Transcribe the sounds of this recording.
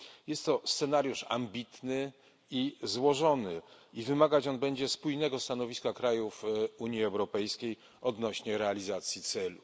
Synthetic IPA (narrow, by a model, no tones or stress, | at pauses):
jɛst̪ːɔst̪sɛnaɾʲjuʂa̰mbʲit̪nɘ | izwɔʐɔnɘivɘmaɡat͡ɕɔnbɛɲd͡ʑɛspujnɛɡɔst̪anɔvʲiskakɾajufuɲjiɛwɾɔpɛjskʲej | ɔd̪nɔɕɲɛɾɛalʲizat̪sʲjit̪sɛlu